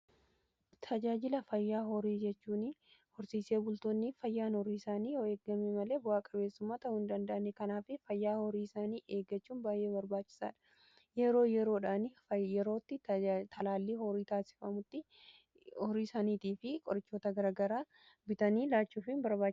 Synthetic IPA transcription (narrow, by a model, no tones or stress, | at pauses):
t̪ʰɐd͡ʒaːd͡ʒɪlɐfɐjːaːɦɔɾiːd͡ʒɛt͡ʃːuːnhɔɾsiːse̞ːbʊlt̪oːnːɪfɐjːaːnhɔɾiːɪsaːniːjoːe̞ːɡːɐmɛmɐle̞ːbʊaːkʼɐbe̞ːsːʊmːaːt̪ɐʊʊnd̪ɐnd̪ɐʔɐnekɐnaːfɪfɐjːaːhɔɾiːɪsaːniːʔeːɡɐt͡ʃːuːnbaːjʔe̞ːbɐɾbaːt͡ʃːɪ̥sa̰ːᶑɐ̥ | jɛɾo̞ːjɛɾo̞ːᶑaːnɪjɛɾo̞ːt̪ːɪt̪ʰɐlaːlːiːhɔɾiːt̪aːsɪ̥fɐmʊt̪ːɪ | hɔɾiːsaːniːt̪iːfɪkʼɔɾɪt͡ʃːoːt̪ɐɡɐɾaːɡɐɾaː | bɪt̪ɐniːlaːt͡ʃːuːfɪnbɐɾbaːt͡ʃ